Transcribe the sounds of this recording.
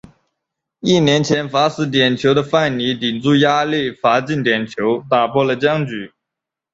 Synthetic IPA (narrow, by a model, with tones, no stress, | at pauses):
i˥˩njɛ˧˥nt͡ɕʰjɛ˧˥nfa˧˥sɹ̩˧˥t̪̬jɛ˨˩nt͡ɕʰjo˧˥ʊd̪ə˧fa˥˩nni˧˥t̪i˨˩nt͡su˥˩ja˥li˥˩fa˧˥t͡ɕi˥˩nt̪jɛ˨˩nt͡ɕʰjo˧˥ʊt̪a˨˩pʰwɔ˥˩lə˩t͡ɕjɑ˥ŋt͡ɕy˨˩˦